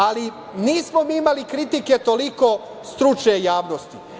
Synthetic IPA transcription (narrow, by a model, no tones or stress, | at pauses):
ali | niːsmo̞miimalikɾit̪ike̞t̪o̞liko̞ | st̪ɾut͡ʃɲejaːʋnost̪i